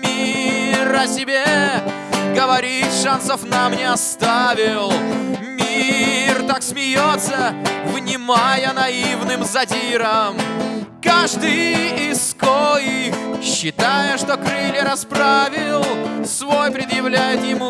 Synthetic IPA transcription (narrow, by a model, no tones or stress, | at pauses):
mʲiɾɐsʲɪbʲe | ɡəvɐɾʲit̪ʂansəfnamnʲeɐst̪avʲɪlˠmʲirt̪aksmʲɪjot̪səvnʲɪmajənɐivnɨmzɐtʲiɾəmkaʐd̪ɨjɪskojixɕːɪt̪ajəʂt̪o̞kɾɨlʲɪɾɐspɾavʲɪlˠsvo̞jpɾʲɪd̪jɪvlʲæjɪt̪jɪmu